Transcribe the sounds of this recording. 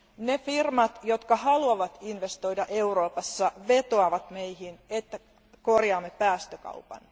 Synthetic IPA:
nefirmɑt̪jo̞t̪kɑhɑluɑʋɑt̪inʋe̞st̪o̞jdɑʔe̞uro̞ːpɑsːɑʋe̞t̪oɑʋɑt̪me̞jhinet̪ːæ | ko̞rjɑːmːepæːst̪økɑ̰upɑ̰n

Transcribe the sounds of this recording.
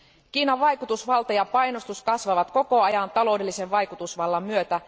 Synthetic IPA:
k̟iːnɑʋːɑjkut̪usʋɑlt̪ɑjɑpɑjnost̪uskɑsʋɑʋɑt̪ko̞ko̞ɑjɑnt̪ɑlo̞wdelːise̞ʋʋɑjkut̪usʋɑlːɑmmyøt̪æ

